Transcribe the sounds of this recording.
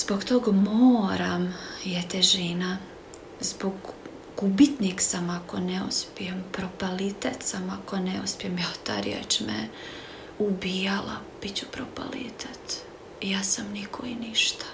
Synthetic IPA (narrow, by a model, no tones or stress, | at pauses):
z̥boɡt̪oːɡmoːɾamjet̪eʒina | zboɡ | ɡubit̪niksamako̞neuspijempɾopalit̪et̪samako̞neuspjemjat̪a̰ɾijḛt͡ʃmḛ | ubiːjala̰ | b̥it͡ɕu̥pɾopa̰lḭt̪ʰet̪ | jaːsamnikʰo̰iniʃt̪ḁ